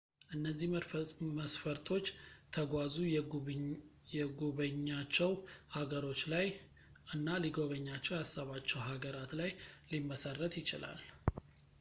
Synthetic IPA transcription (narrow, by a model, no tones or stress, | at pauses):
ʔɨnːəzːihməsfəɾt̪ʰo̞t͡ʃːt̪ʰəɡʷazu | jɛɡoβəɲːat͡ʃːɛwhaɡəɾo̞t͡ʃːlaj | ʔɨnːaliɡo̞βəɲːat͡ʃːɛwjasːaβat͡ʃːɛwɦaɡəɾat̪lajlimːəsərːət̪jɪt͡ʃɪ̰la̰l